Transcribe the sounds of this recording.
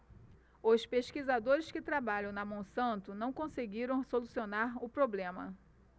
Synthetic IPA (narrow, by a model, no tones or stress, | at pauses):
ʊspeʃkizad̪oɾɪskɪt̪ɾabaʎɐ̃w̃nɐmõw̃sɐ̃nt̪ʊnɐ̃w̃kõseɡiɾɐ̃w̃solusionaɾʊpɾoblẽmɐ̰